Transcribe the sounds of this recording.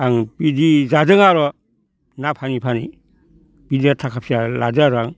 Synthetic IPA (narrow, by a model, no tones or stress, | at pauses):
aŋb̥idizadɯŋaɾɔ | napʰanipʰanḭ | b̥idiɾatʰakʰap̚siala̰dɯaɾɔaŋ